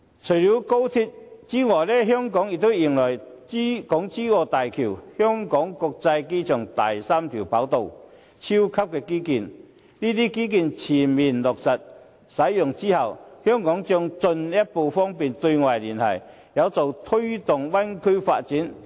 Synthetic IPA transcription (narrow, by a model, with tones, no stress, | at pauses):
t͡ʃʰɵ˨˩jli˨˥wko˥wt̪ʰi˧t̚t͡siː˥ŋɔː˨˩jlɛː˥ɦœː˥ŋkɔː˨˥ŋjɪ˨k̚t̪o˥wji˨˩ŋlɔ˨˩j | kɔː˨˥ŋt͡siː˥kɔː˧t̪aː˨jkʰiː˨˩whœː˥ŋkɔː˨˥ŋkɔː˧k̚t͡sɐ˧jke˥jt͡ʃʰœː˨˩ŋt̪a̰˨˩jsaː˥mt̪ʰi˨˩wpaː˨˥wt̪o˨˧w | t͡sʰi˥wkʰɐ˥p̚kɛː˧kiː˥kiː˧n | niː˥t̪iː˥kiː˥k̬iː˧nt͡sʰiː˨˩nmiː˨˩nlʊ˨˩k̚sɐ˨t̚ | sɐ˨˥jːʊ˨ŋt͡siː˥hɐ˨whœː˥ŋkɔː˨˥ŋt͡ʃœː˧ŋt͡sɵ˧njɐ˥t̚po˧wfɔː˥ŋpiː˨˩nt̪ɵ˧ɥŋa˨˩jliː˨˩nhɐ̰˨˩j | jɐ˨˧wt͡so˨wt̪ʰɵ˥ɥt̪ʊ˨ŋwɐ˥nkʰɵ˥ɥfa̰ː˧t̚t͡siː˨˥n